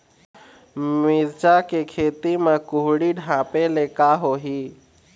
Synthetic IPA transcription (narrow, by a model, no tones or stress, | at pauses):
miɾt͡ʃakekʰeːt̪imãkʊɦɽiɖʱãːpeleːkaɦoːɦiː